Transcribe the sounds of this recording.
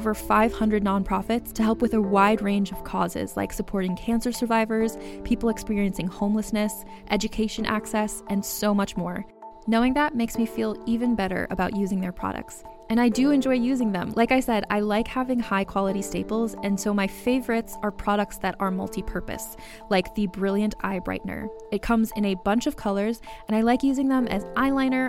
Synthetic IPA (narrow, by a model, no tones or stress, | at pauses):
və˞faɪv̥hʌ̃ndɹɨdⁿnɑ̃npʰɹ̥ɑfɨtstʰɨɦɛlˠpwɨðəwaɪd̚ɹẽɪ̃nd͡ʒʌv̥kʰɔzɪ̰z̥la̰ɪksəpʰɔɹɾɪ̃ŋkʰæ̃nsə˞sə˞vaɪvə˞z̥pʰipl̩ˠəkspɪɹiɨ̃nsɪ̃ŋhõʊ̃mləsnɨs | ʔɛd͡ʒɨkʰeɪʃɨ̃nʔæ̰ksɛsʔɨ̃nsoʊmʌt͡ʃmɔɹ | noʊɪ̃ŋðət̚meɪksmifilˠivɨ̃nbɛɾə̰˞ʔɨ̰baʊʔjʉzɪ̃ŋðə˞pʰɹ̥ɑ̰ɾɨ̰k̚ts | ɨ̃naɪdɨɨ̃nd͡ʒɔɪjʉzɪ̃ŋðə̰̃mlʔaɪkaɪsɛɾa̰ɪlaɪkhævɪ̃ŋhaɪkʰw̥ɑlˠəɾisteɪpl̩ˠzɨ̃nsoʊmaɪfeɪvə˞ɨtsə˞pʰɹ̥ɑɾɨk̚tsðɨɾə˞mʌ̰lˠtʰipʰɜ˞pɨ̰s | laɪk̚ðɨbɹɪlˠjɨ̃ntʰa̰ɪbɹa̰ɪʔn̩ə̰˞ | ɨt̚kʰʌ̃mzɨ̃nɨbʌ̃nt͡ʃʌv̥kʰʌlˠə˞zɨ̃ɾ̃aɪlaɪkjʉzɪ̃ŋðə̃mɨ̰zʔaɪlãɪ̃nə˞